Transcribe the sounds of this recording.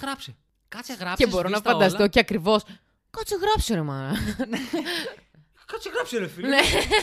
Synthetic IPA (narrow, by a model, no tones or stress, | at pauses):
ɣɾɐpse | kɐt͡sɣɾɐcebo̞ɾonɐfɐnd̪ɐst̪ociɐkɾivo̞s | kɐt͡siɣɾɐpsoɾemɐn | kɐt͡siɣɾɐpseɾefine